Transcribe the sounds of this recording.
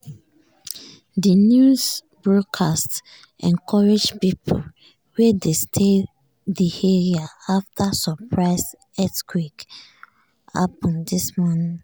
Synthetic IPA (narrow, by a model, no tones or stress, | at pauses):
dinjuz | bɹɔdkʰast | ʔɛ̃nkʰɔɹed͡ʒpipʰo̰ | wedestʰe | diheɹiaaftʰasɔpʰɹaɪs | ɛtkʰwik | a̰pɔ̃ndismɔnĩ